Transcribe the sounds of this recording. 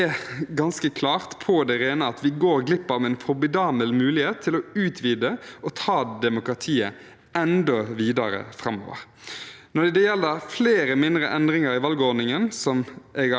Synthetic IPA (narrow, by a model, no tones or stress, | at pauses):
ɛɡɑnskəkʰlɑːʁt̪pʰɔd̪ɛʁeːnəɑt̪ʋɪɡoːɾɡlɪpːɑʋɛːnfɔbɪd̪ɑːməlmʉːlɪheːt̪ʰːɪlɔʉːt̪ʰʋiːd̪əɔt̪ʰɑːd̪ɛmʊkɾɑt̪ʰiːə | ɛnd̪ɔʋiːd̪ɑɾə̰fɾɑmːo̰ːʋə̰ɾ | nɔd̪ɛd̪ɛjɛlːd̪əfleːɾəmɪnd̪ɾəʔɛnd̪ɾɪŋɑɾɪʋɑlɡəɔd̪nɪŋənsɔmʔɛɡ